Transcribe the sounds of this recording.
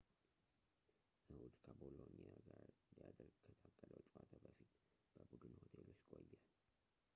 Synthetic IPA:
ʔɨhud̪kʰəbolonjaɡaɾɨnd̪jad̪əɾɡkʰət̪ʰak̪ʼːələwt͡ʃʼwat̪ʰabəfit̪ | b̥əbud̪ɨnho̞t̪ʰelot͡ʃːkʼo̞jːal

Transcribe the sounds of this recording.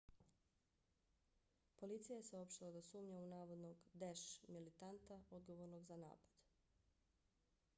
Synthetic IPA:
po̞lit̪sijaje̞seo̞pʃt̪ilad̪osuːmɲaunaːʋo̞d̪noɡd̪eʃmilit̪ant̪ao̞d̪ɡo̞ʋo̞ɾnoɡzana̰ːpad̪̥

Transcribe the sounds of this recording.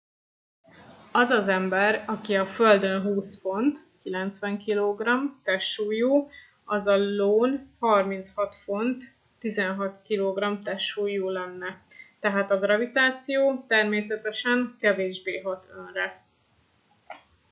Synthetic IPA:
ɒzɒzɛmbɛɾɒkiɒføld̪ø̞nɦuːsfo̞nt̪kilɛnt̪sʋɛŋkiloːɡrɒmt̪ɛʃuːjuː | ɒzɒloːnhɒrmint̪shɒt̪fo̞nt̪ː | izɛnɦɒt̪kiloːɡrɒmt̪ɛʃuːjuːlɛnːɛt̪ɛɦaːt̪ɒɡrɒvit̪aːt̪sijoːt̪ɛrmeːsɛt̪ɛʃɛŋkɛveːʒbeːɦɒt̪ʰønrɛ

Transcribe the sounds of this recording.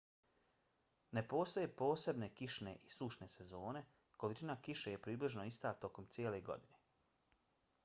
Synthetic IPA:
nepo̞ːst̪o̞jepo̞ːse̞bne̞kiʃne̞ʔisuʃne̞se̞zo̞ːne̞ | ko̞lit͡ʃinakiʃe̞je̞pɾiːbliʒno̞ist̪at̪o̞komt̪siele̞ɡo̞̰d̪ine̞

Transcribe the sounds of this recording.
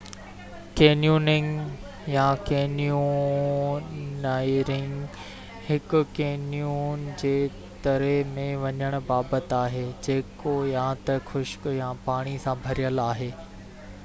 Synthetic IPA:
keːnijuːnɪ̃ŋɡ | jãkeːnju | naːɪɾɪ̃ŋɡ | hɪkʊ̆keːnijuːnd͡ʑeː | t̪ɐɾəmẽʋɐɲəɽ̃ʊ̆baːbət̪aːɦeːd͡ʑeːkojãːt̪ɐxʊʃjãpaːɽ̃isãbʱɐɾijəlaːɦeː

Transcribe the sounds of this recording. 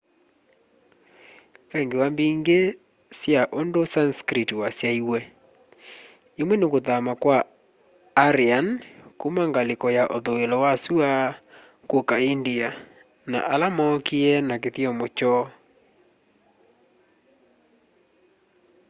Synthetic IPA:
pɛŋɡewambiŋɡe | sjaʔondosanskɾitiwasjaiwɛ | emwɛnekoðamakwaː | ɾiankomaŋɡalekɔjaʔoðoelɔwasua | kokaindia | na̰ʔalamɔkiɛnak̬eθiɔmot͡ʃɔ

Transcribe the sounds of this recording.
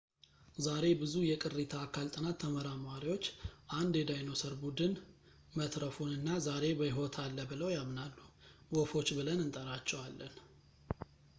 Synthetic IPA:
zaɾe̞bɨzujɛkʼɨrit̪ʰaːkʰalt̪ʼɨnat̪ʰːəməɾamwaɾiwo̞t͡ʃːʔand̪jɛd̪ajno̞səɾbud̪ɨn | mət̪ɾəfunɨnːazaɾe̞bəjiɦo̞t̪ʰalːəbɨləwjamnalːuwofo̞t͡ʃːbɨlənɨnt̪ʼəɾat͡ʃːɛwalːən

